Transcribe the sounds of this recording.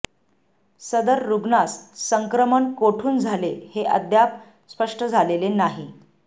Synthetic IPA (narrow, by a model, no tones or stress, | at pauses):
səd̪əɾːuɡnassəŋkɾəmənkoʈʰuːnd͡zʱaleheʔə̰d̪ʱjap̚ | spəʂʈəd͡zʱalelenaɦi